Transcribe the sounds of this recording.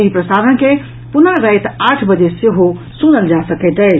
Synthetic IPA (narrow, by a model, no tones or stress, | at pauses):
ɦipɾəsad̪ənke | punəɾɾəjt̪aʈʰbəd͡ʒeseɦo | sunəld͡ʒasəkɛt̪ə